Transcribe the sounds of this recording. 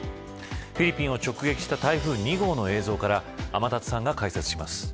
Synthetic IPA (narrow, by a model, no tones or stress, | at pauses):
ɸʲiɾʲipʲĩɰ̃o̞t͡ɕo̞kɯ̟ɡe̞kʲi̥ɕi̥t̪at̪aiɸɯ̟ːɲ̟iɡo̞ːno̞e̞ːzo̞ːkaɾaːmat̪at͡sɨ̥sãŋɡakaiset͡sɨ̥ɕimasɨ̥